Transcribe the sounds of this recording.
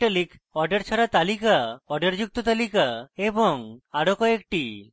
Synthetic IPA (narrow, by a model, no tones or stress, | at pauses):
ʈalikɔɾɖeɾt͡ʃʰaɾat̪alikaɔɾɖeɾd͡ʑuk̚t̪ot̪alikaebɔŋaɽokɔekʈi